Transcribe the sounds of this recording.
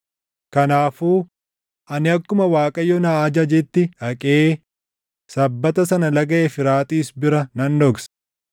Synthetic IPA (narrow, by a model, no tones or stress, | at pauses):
kɐnaːfuː | ʔɐnɪɐkːʊmɐwaːkʼɐjːɔnaːd͡ʒɐd͡ʒɛt̪ːɪɐkʼeː | sɐbːɐt̪ɐsɐnɐlɐɡɐʔefɪɾaːt̪ʼiːsbɪɾɐnɐnd̪ɔɡs